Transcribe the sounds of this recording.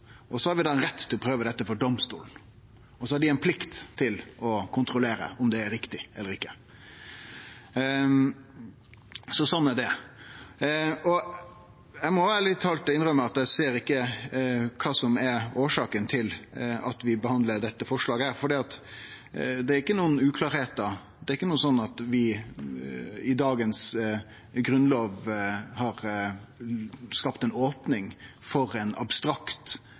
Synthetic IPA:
ʔɔsɔhɑɾʋɪd̪ɑːnɾɛt̪ːʰɪlɔpʰɾøːʋəd̪ɛt̪ːəfɔɖɔmst̪ṵːln̩ | ɔsɔhɑɾɖɪæɪnpʰlɪkt̪t̪ʰːɪlɔkʰʊnt̪ɾʊleːɾə̰ɔmd̪ɛːɾɪkt̪ɪɛlːəɾɪkːə̥ | sɔsɔnːæɖɛ | ɔ | jæɪmɔʋæːɾəlɪt̪ʰːɑːlt̪ɪnɾœmːəɑt̪d̪æɪseːɾɪkːə | kʰɑːsɔmɛoːʂɑːkənt̪ʰɪlɑt̪ʋɪbəhɑnd̪ləɖ̪ɛt̪ːəfɔʂlɑːɡəhæːɾfɔɖiːɑt̪ | d̪ɛæɾɪkːənuːənʉːkʰlɑːɾheːt̪d̪ɑ | d̪ɛɾɪkːənuːənsɔnːɑt̪ʋɪ | ɪd̪ɑːɡəns | ɡɾʉnloːʋhɑɾ | skɑpt̪ɛnoːpnɪŋ | fɔɾɛnɑ̰bst̪ɾɑkt̪

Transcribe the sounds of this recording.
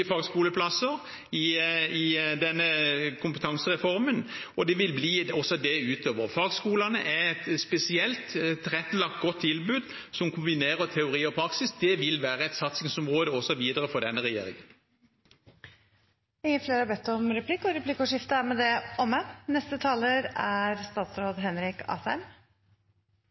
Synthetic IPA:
ɪfɑːɡskuːləpʰlɑsəɾ | ɪɪd̪ɛnːəkʰʊmpət̪ʰɑŋsəʁɛfɔɾmənɔd̪ɛʋɪlbliːɔsɔd̪ɛʉːt̪ʰøːʋəɾfɑːɡskuːlɑnəʔɛɛt̪spɛsɪɛlt̪ɾʁɛt̪ːəlɑk̚t̪̚ɡɔt̪ʰːɪlbʉːd̪sɔmkʰʊmbɪneːʁət̪ʰɛʊɾiːɔpʰɾɑksɪsd̪ɛʋɪlʋæːɾəɛt̪sɑt̪sɪŋsɔmʁoːd̪əɔsɔʋiːd̪əʁəfɔd̪ɛnːəʁɛjḛːɾɪ̰ŋən | ɪŋːəfleːɾɑbɛt̪ːɔmɾɛpʰlɪkːɔɾɛpʰlɪkːɔʂɪft̪əæmɛd̪ɛʔɔmːənɛst̪ət̪ʰɑːləɾæɾst̪ɑːt̪sɾoːd̪ɦɛnɾɪkɑ̰ːsæm

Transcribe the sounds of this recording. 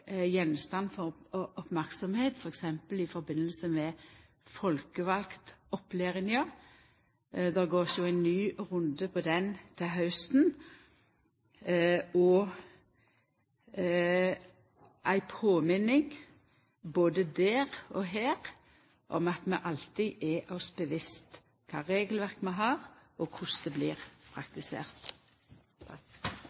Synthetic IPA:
jɛnst̪ɑnːfɔɔpmæɾksɔmheːt̪fɔɾɛksɛmpəlɪfɔɾbɪnːəlsəmɛ | fɔlkəʋɑlkt̪ɔpleːʁɪnjɑ | d̪ɛɡoːsjʊæɪnnyːɾʊnd̪əpʰɔd̪ɛnt̪ʰɪlɦɑʉst̪n | ɔ | ʔæɪpʰoːmɪnɪŋ | boːd̪əd̪æːʁɔɦeːʁ | ʔɔ̰mɑt̪mɛʔɑlt̪ɪʔɛʔɔsbəʋɪst̪ | kʰɑːʁeːɡəlʋæʁkmɛɦɑːʁʔɔkʰʊsd̪ɛbliːʁpʰʁɑk̚t̪ɪsḛːʁt̪

